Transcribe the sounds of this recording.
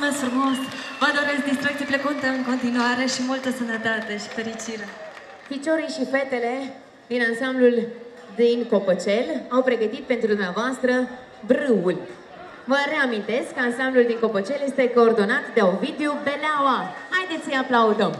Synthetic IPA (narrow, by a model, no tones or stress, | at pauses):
mesfɾumo̞svəd̪o̞ɾesk̚d̪ist̪ɾuekt̪iplekunt̪eɨŋko̞nt̪inuaɾe̞ʃimult̪əsənət̪at̪e̞ʃi̥feɾit͡ʃiɾe | pit͡ʃo̞ɾijʃife̞t̪e̞le̞ | d̪inansamblul | d̪inko̞pot͡ʃe̞lawpɾe̞ɡət̪it̪̚pe̞nt̪ɾud̪umnavoast̪ɾə | bɾɨulʲ | vəɾe̞amint̪e̞skːəansambluld̪iŋko̞pot͡ʃe̞lje̞st̪e̞ko̞ːrd̪o̞nat̪d̪e̞unvid̪eobe̞leawahajd̪e̞t̪sjəaplaud̪əm